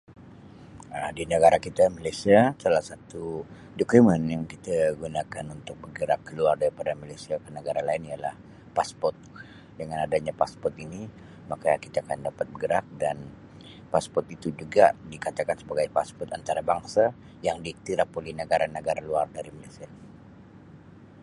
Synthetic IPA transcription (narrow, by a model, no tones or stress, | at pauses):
ədinəɡaɾakit̪amalajsiasalahsat̪u | dokumənjaŋkit̪aɡunakanunt̪ʊk̚bəɡəɾakːəluardaɾipadamalasiakənəɡaɾalaɪnijalah | paspɔrt̪̚ | dəŋanadaɲapaspɔrt̪ini | makakit̪aːkandapat̪̚bəɡəɾak̚dan | paspɔrt̪it̪ud͡ʒuɡadikat̪akansəbaɡajpaspɔrt̪ant̪aɾabaŋsa | jaŋdiːk̚t̪iɾahpolihnəɡaɾanəɡaɾakluardaɾimalajsia